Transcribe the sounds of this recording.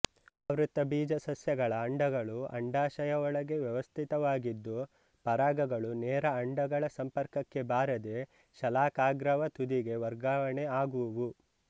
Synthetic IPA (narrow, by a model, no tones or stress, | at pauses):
ɐʋɾut̪ːɐbiːd͡ʒɐsɐsjɐɡɐɭɐːɳɖɐɡɐɭuɐ̰ɳɖaːʃɐjɐɔɭɐɡe̞ʋjɐʋɐst̪ʰit̪ɐʋaːɡid̪ːu | pɐɾaːɡɐɡɐɭunɛːɾɐɐɳɖɐɡɐɭɐsɐmpɐɾkɐkːe̞baːɾɐd̪e̞ | ʃɐlaːkaːɡɾɐʋɐt̪ud̪iɡe̞ʋɐɾɡaːʋɐɳeaːɡuʋu